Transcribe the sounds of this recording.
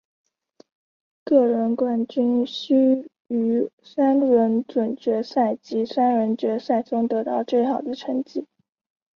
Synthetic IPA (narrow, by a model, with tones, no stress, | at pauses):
kɤ˥˩ɻə˧˥nkwa˥˩nt͡ɕy˥nɕy˥ | y˧˥sa˥nɻə˧˥nʈ͡ʂwə˨˩nt͡ɕɥɛ˧˥sa˥˩ɪt͡ɕi˧˥sa˥nɻə˧˥nt͡ɕɥɛ˧˥sa˥˩ɪʈ͡ʂʊ˥ŋt̪ɤ˧˥t̪ɑ˥˧ʊʈ͡ʂwe˥˩ɪxɑ˨˩ʊd̪ə˦ʈ͡ʂʰə˧˥ŋt͡ɕi˥˩˦